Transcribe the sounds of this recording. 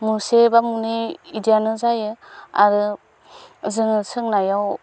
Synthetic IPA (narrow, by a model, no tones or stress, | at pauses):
musebamuniidijanɯzajɯa̰ɾɯ | zɯŋɯsɯŋnajaw